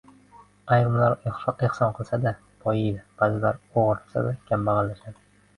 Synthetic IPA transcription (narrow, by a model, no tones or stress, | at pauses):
ajɾʊmlaɾeχsɒnqʰɨlˠsad̪a | pʰɒjɪjd̪ɪb̥azɪlaɾoʁɨɾt̪ʰɪ̥sa̰d̪akʲʰamːaʁɑlːaʃad̪ɪ